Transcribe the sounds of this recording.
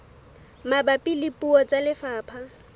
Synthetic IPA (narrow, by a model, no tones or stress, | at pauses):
mabapʼilipʼuɔt͡sʼalɪfaːpʰa